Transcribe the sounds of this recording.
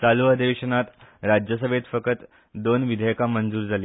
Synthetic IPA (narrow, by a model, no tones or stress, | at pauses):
t͡saluəd̪eʋeɕənat̪ɾad͡ʑjəs̬əbʱet̪fəkət̪ | d̪onʋid̪ʱəjkamənd͡zuːɾd͡zʱali